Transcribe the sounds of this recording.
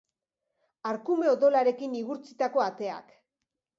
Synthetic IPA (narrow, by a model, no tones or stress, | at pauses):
aɾkume̞oðo̞laɾe̞kiniɣuɾt͡sit̪ako̞at̪e̞a̰k